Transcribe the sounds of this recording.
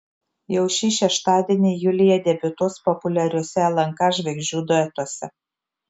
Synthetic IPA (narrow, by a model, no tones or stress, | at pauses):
jɛʊʃʲiːʃʲɛʃt̪ɑːd̪ʲiːnʲɪjʊlʲɪjɛd̪ʲɛbʲʊt̪ʊspɔpʊlʲɛɾʲʊːsʲɛɐlˠɐŋkɑʒʲʋʲɛɡʒʲuːd̪oɛt̪uɔsʲɛ